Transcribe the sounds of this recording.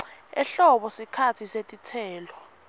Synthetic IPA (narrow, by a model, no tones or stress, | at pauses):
ɛ̰ɬɔɓɔsikʰatʰisetʼitʰɛːlɔ